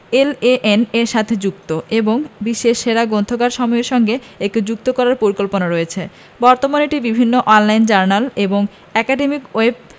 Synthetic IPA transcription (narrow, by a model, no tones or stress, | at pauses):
eleʔeneɾʃat̪ʰed͡ʑuk̚t̪oeboŋbiʃːeʃʃeɾaɡont̪ʰoɡaɾʃɔmɔeɾʃɔŋɡe | ek̚ʈid͡ʑuk̚t̪okɔɾaɾpoɾikolponaɾojet͡ɕʰe | bɔɾt̪omaneʈibibʱinːoʔɔnlajnt͡ɕaɾnaleboŋ | ɛkaɖemikoeb̚